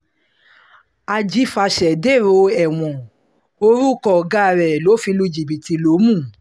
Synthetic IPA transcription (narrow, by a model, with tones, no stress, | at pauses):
a˧d͡ʒi˨˦fa˧ʃɛ˨de˦˨ɾo˧ɛ˨w̃ɔ̃˨ | o˧ɾu˦kɔ˨ɡa˦˧˨ɾɛ˨lo˨˦fi˧lu˧d͡ʒi˨bi˨ti˧lo˨˦mũ˦˨